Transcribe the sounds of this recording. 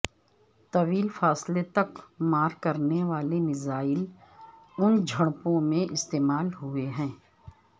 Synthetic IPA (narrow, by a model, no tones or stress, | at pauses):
t̪ɐʋiːlfaːslet̪ɐkmaːɾkɐɾneʋaːlenɪzaːɪl | ʊnd͡ʒʱɐɽ̃põmẽʔɪst̪eːmaːlɦʊeɦɛ̃ː